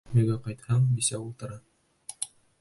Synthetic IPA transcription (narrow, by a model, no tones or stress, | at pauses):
mĭɡæqɑjt̪hɑɴbisæwulˠt̪ɤ̆ɾɑ